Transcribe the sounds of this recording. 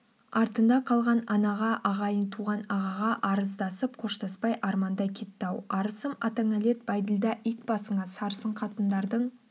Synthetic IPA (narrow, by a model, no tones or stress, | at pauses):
ɑɾt̪ənd̪ɑqʰɑlˠʁɑnɑnɑʁɑʔɑʁɑjənt̪ʰuʁɑnɑʁɑʁɑʔɑɾəzd̪ɑsəp̚qʰo̞ʃt̪ɑspɑjʔɑɾmɑnd̪ɑjkʲʰet̪ːɑwɑɾəsəmɑt̪aŋale̞t̪̚bɑjd̪əlˠd̪ɑʔijt̪̚bɑsəɴɑsɑɾsəɴqʰɑt̪ənd̪ɑɾd̪əɴ